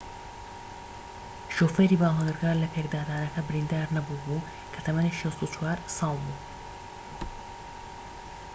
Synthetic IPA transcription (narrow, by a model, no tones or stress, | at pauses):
ʃofeɾiːbaːlonɨɾɡaːɾlɐpʰeːɡd̪aːd̪aːnɐkɐbɪɾind̪aːɾnɐbubuː | kʰɐt̪ʰɐmɐniʃɐst̪ut͡ʃwaːɾsɑːlˠbuː